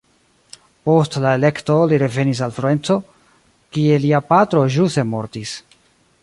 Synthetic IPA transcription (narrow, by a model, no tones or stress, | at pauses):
po̞stlae̞le̞kto̞liɾe̞ve̞nis̬alfloe̞nt͡so̞ | kie̞liapatɾo̞ʒuse̞mo̞̰ɾtis